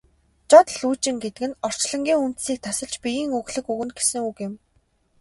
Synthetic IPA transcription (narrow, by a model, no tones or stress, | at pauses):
t͡ɕɔt̪ɮuːt͡ɕɪ̆ŋɡet̪ɘ̆kɘ̆nɔr̥t͡ɕɮɞ̆ŋɡʲiːŋunt̪̆siːk̚t̪ʰasə̆ɮt͡ɕpijiːŋuɣɮɘ̆kuɣɘ̆nɡe̥sɘ̆ŋukɪ̆m